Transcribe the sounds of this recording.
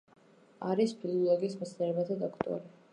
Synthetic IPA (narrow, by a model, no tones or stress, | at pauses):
aɾispʰilˠɔlˠɔɡiːsmt̪sʰniɾɛbat̪ʰad̪ɔkʰt̪ʼɔ̰ɾi